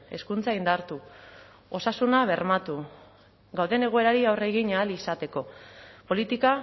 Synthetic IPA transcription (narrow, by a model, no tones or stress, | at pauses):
e̞skunt͡saind̪aɾt̪u | o̞sasunaβ̞e̞rmat̪u | ɡawðe̞ne̞ɣoe̞ɾaɾiawre̞ɣiɲaːlisat̪e̞ko̞po̞lit̪ika